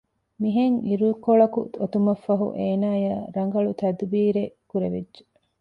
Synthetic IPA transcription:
miɦeŋiɾukoɭɐkuot̪umɐfːɐɦṵʔeːnaːjaːɾɐŋɡɐɭut̪ɐd̪biːɾekuɾeʋedʒe

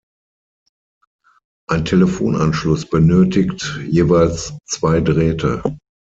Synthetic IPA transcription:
ʔaɪntʰeləfoːnanʃlʊsb̥ənøːtɪktjeːvaɪlst͡sv̥aɪdəʁɛːtʰə̰

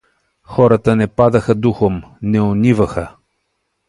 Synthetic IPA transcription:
xɔɾət̪ənɛpad̪ɐxəd̪uxomnɛonivəxə

